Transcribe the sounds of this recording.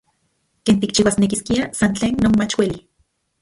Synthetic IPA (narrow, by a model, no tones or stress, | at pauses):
keːnt̪ik̚t͡ʃiwasnekiskiasant͡ɬeːnːonmat͡ʃweli